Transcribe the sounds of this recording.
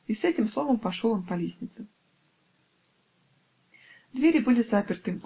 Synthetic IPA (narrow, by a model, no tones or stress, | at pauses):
isɛtʲɪmslˠovəmpɐʂolˠɐnpɐlʲesʲnʲɪt̪sɨ | d̪vʲeɾʲɪbɨlʲɪzapʲɪrt̪ɨ